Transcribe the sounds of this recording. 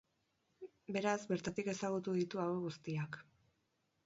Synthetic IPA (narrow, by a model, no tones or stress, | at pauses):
be̞ɾazbe̞ɾt̪at̪ike̞saɣut̪uðit̪uaweɣust̪iak